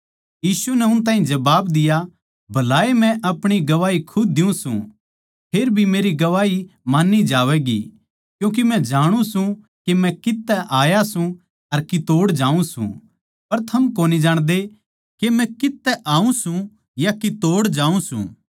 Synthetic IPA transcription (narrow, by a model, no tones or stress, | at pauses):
jiːsunɛʊnt̪ãːɦĩd͡ʒɐbaːbd̪ɪja | bʱɐlaːemɛ̃ʔɐpɽ̃iɡɐʋaːikʰʊdd̪ɪũsṵ̃ | pʰeːɾbʱimeːɾiɡɐʋaːimaːnːid͡ʒaːʋɛɡḭ | kjũːk̬imɛ̃d͡ʒaːɽ̃ũsũ | kemɛ̃kɪt̪ːɛʔaːjasũ | ɐɾkɪt̪oːɽd͡ʒaːũsṵ̃ | pɐɾt̪ʰɐmkoːnid͡ʒaːɽ̃d̪e | kemɛ̃kɪt̪ːɛʔaːũsũ | jakɪt̪oːɽd͡ʒaːũsṵ̃ː